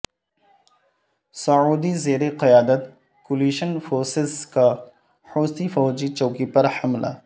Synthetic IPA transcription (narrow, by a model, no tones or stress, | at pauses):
sɐʕuːd̪izeːɾeqɪjaːd̪ət̪ | kʊliːʃənfoːɾsɪzka | ħoːsifɔːd͡ʒit͡ʃoːkipɐɾhɐmla̰